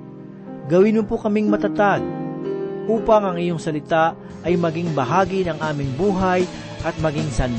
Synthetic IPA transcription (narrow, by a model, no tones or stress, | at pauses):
ɡɐwɪnʊpokɐmiŋmɐt̪ɐt̪aɡ̚ | ʔuːpɐŋɐŋɪjoŋsɐlɪt̪a | ʔɐjmɐɡiŋbɐɦaːɡinɐŋʔaːmɪŋbuːɦɐj | ʔɐt̪̚mɐɡɪŋsɐn